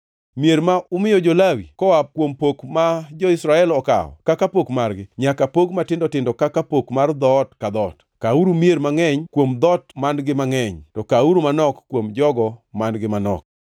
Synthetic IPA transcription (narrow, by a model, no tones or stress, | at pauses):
mjeɾmaʊmɪjɔd͡ʒolawḭkɔwap̚kwompokmad͡ʒɔɪsɾaɛlɔka̰ɔ̰kakapokmarɡɪɲakapokmatɪndɔtɪndɔkakapokmard̪ɔtkad̪ɔt | kauɾumjeɾmaŋɛɲkwomd̪ɔtmanɡɪmaŋɛɲtɔkauɾumanɔkkːwomd͡ʒɔɡɔmanɡɪmanɔ̰k̚